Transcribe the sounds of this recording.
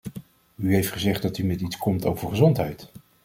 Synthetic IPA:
yɦejftχəzɛχt̚dɑtymɛtitskʰɔmto̰wvəɹχəzɔntɦɛjt

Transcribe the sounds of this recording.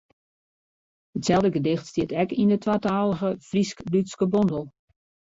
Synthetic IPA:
hətsɛlˠdəɡədɪxtstiətɛkindətwaːtaːlˠəɣəfriskblytskəbɔndəlˠ

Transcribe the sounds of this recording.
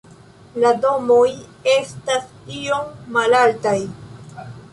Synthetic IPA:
lado̞mo̞je̞stas | io̞mːalaltaj

